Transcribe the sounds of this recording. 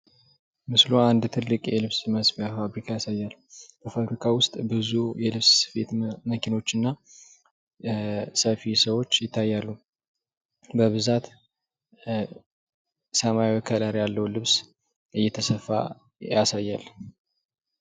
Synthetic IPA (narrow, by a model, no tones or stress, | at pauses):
mɨsluand̪t̪ʰɨlːɨkʼjɛlɨβsməsbjafaβɾikʰajasajːalb̥əfaβɾikʰawʊst̪ʼbɨzujɛlɨβsfḛt̪məkʰino̞t͡ʃːɨnːa | səfisəwo̞t͡ʃːjɪt̪ʰːajːalːu | bəβɨzat̪ | səmajawəkʰəlaɾijalːəhulɨβs | ʔɨjːɛt̪ʰəsəfːa̰ | jasajːal